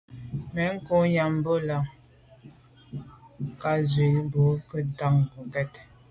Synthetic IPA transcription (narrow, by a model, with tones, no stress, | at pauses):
mɛ˨˦ŋ̩˦ko˦ja˨m˦bə˦la˨ŋ | ka˦zwi˨˦bo˨˦kə˦ta˦˨ŋbu˨pɛ˦˨t